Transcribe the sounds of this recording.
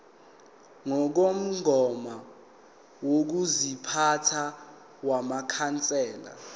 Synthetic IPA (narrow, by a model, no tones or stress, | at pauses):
ŋɔk̬om̩ɡʱɔma | wok̬uzipʰatʰa | wamakʰant͡sʼɛːla̰